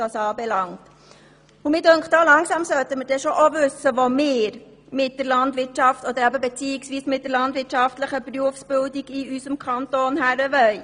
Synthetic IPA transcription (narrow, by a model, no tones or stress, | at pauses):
dɑːsɑːbɛlɑŋt | umɪːdøŋkχd̥ɑːlɑŋsɑmsœt̪əməɾdɛʃoʔovʉsəʋomɪːɾ | mɪt̚d̥əɾlɑndʋɪɾtt͡ʃɑftɔd̪əɾæbəbɛt͡siːɪksʋiːsmɪt̚d̥əɾlɑndʋɪtʃɑftləχəpruəfsb̥ɪldiɡiysəmkʰɑntoːnɦæɾəʋœʏ